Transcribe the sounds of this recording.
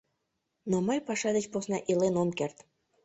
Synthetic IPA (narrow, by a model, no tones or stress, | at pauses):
noməjpɑʃɑd̪et͡ɕposnɑʔilenomkert̪